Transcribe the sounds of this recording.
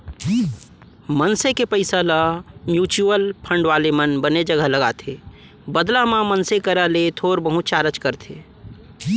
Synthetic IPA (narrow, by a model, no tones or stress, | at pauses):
mənsekepəɪsalamjuːt͡ʃuəlpʰə̃ɳɖʋaːlemənbəned͡ʒəɡəɦləɡaːt̪ʰeː | bəd̪lamãmənsekəɾalet̪ʰoːɾbəɦũt͡ʃaːɾət͡ʃkəɾt̪ʰḛː